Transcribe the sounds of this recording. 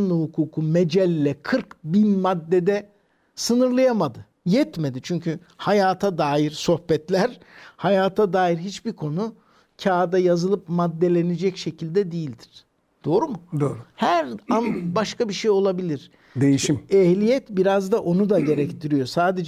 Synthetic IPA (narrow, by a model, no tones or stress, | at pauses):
nlˠɯhukʰuːkʰumed͡ʒɛlʲːɛkʰɯɾkbinmad̪ːed̪ɛ | sɯnɯɾlˠajamad̪ɯ | jɛt̪me̞d̪it͡ʃʰyɲcʰy | hajaːt̪ʰad̪aːjiɾso̞hbɛt̪lʲæɾ̥hajaːt̪ʰad̪aːjiɾɦit͡ʃbiɾkʰo̞nu | cʰaːd̪ajazɯlˠɯpmad̪ːe̞lʲe̞ned͡ʒɛcʃe̞cʰilʲd̪ɛd̪ijilʲd̪iɾ̥ | d̪̥o̞ːɾumud̪ohæɾanbaʃkabiʃejo̞lˠabilʲiɾ̥ | d̪ejiʃiɛhlʲijɛt̪biɾazd̪aʔo̞nud̪aɟe̞ɾɛct̪ʰiɾijo̞saːd̪e̞d͡ʒ